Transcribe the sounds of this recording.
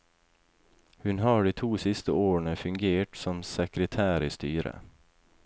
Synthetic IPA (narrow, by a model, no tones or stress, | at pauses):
hʉnɦɑːɖiːt̪ʰuːsɪst̪əoːɾəɳəfʉŋɡeːʈsɔmsɛkɾət̪ʰæːɾɪːst̪yːɾə̰